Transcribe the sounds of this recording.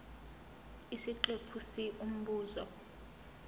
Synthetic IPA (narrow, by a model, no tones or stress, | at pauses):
isiǃepʰusiʔum̩ɓuːzɔ